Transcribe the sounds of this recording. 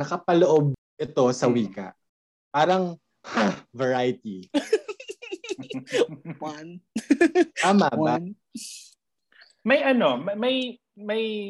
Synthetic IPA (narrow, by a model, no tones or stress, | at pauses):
nɐkɐpɐloʔob̚ | ʔɛt̪o̞sɐwiːkɐ̰ʔ | paːɾɐŋ | havɛɹajt̪i | aːmaba | mɐjʔɐno̞mɐmɐj | mɐj